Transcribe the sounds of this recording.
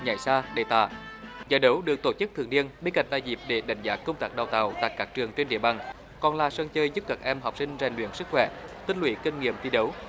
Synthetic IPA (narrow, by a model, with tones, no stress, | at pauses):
ɲa̰˧˩jsaː˧ɗe˧˩t̪a̰ː˧˨ | zə̰ː˧˨˩jɗə˨˦wɗɨ˨˩ək̚t̪o˧˩t͡ɕɨ˦˥k̚t̪ʰɨ˨əni˧ənɓe˧nka̰˧˩jŋ̟ɗa̰ː˧˨jzi˨˩p̚ɗe˧˩ɗa̰˧˩ŋ̟zaː˨˦kə˧wŋ͡mt̪aː˦˥k̚ɗaː˨˩wt̪a̰ː˧˩wt̪a̰ː˧˨jkaː˦˥k̚t͡ɕɨ˨˩əŋt͡ɕe˧nɗḭ˧˨əɓaː˨˩ŋ | kɔ˨˩nlaː˨˩sə˧ŋt͡ɕəː˧jzɨ˦˥p̚kaː˦˥˩k̚ʔɛ˧mɦɔ˨˩k͡p̚sï˧ŋ̟za˨˩ŋ̟lwḭ˧˨ənsɨ˦˥k̚xwɛ̰˧˩t̪ï˧ŋ̟lwi˧˩˦ki˧ŋ̟ŋḭ˧˨əmt̪ʰi˧ɗə˨˦w